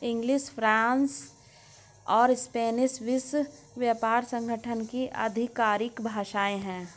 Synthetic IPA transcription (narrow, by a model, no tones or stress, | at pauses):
ɪ̃ŋɡlɪʃfʰɾãːns | ɔːɾɪspeːnɪʃʋɪs | ʋjaːpaːɾsə̃ŋɡʱəʈʰənkiʔɐ̰d̪ʱɪkːaːɾɪkbʱaːʃaːẽɦɛ̃ː